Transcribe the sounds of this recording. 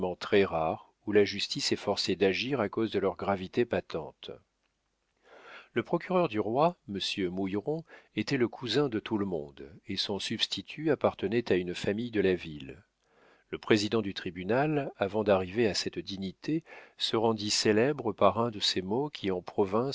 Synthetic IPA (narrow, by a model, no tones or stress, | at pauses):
mɑ̃t̪χɛʁaʁ | ulaʒyst̪isɛfɔʁsed̪aʒiʁakozd̪əlœʁɡʁavit̪epat̪ɑ̰̃t̪ | ləpχɔkʲyʁœʁd̪yʁwaməsjømujʁɔ̃et̪ɛləkʰuzɛ̃d̪ət̪ʰuləmɔ̰̃d̪esɔ̃sybst̪ʰit̪ʰyapaʁt̪ənɛt̪aynfamijd̪əlavil | ləpχezid̪ɑ̃d̪yt̪χibynalavɑ̃d̪aʁiveasɛt̪d̪iɲit̪ʰesəʁɑ̃d̪iselɛbʁəpaʁɛ̃d̪əsemokʲʰiɑ̃pχɔvɛ̃